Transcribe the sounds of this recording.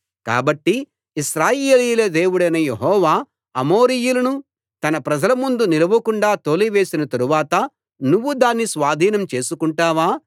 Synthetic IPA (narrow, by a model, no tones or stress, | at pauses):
ka̰ːbɐʈːiː | ʃɾaːjeːliːjlɐd̪e̞ːwuɽɐjnɐje̞ɦɔːʋaː | ɐmoːɾijulɐnu | t̪ɐnɐpɾɐd͡ʒɐlɐmund̪unilɐʋɐkuɳɖaːt̪oːliʋeːsinɐt̪ɐɾuʋaːt̪ɐ | nuʋːud̪aːnːisʋaːd̪ʱiːnɐmt͡ʃe̞ːsukuɳʈaːʋaː